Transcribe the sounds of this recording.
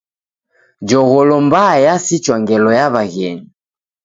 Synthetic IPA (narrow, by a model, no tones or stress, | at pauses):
d͡ʒɔɣɔlɔmbajasit͡ʃwaŋɡɛlɔjaβaɣɛni